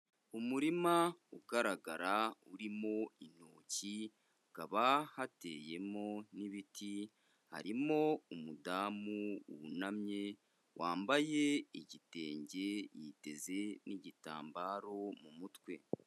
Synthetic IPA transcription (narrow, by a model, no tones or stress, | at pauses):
umuɾimauɡaɾaɡaɾauɾimo̞inoːci | ɡ̥aβahateːje̞mo̞niβitʰi | ha̰ɾimo̞umudamuṵnamɲe̞ | wʔaːmbaje̞iɟite̞ːɲɟe̞jiːte̞ze̞niɟita̰ːmbaːɾo̞mumutwe̞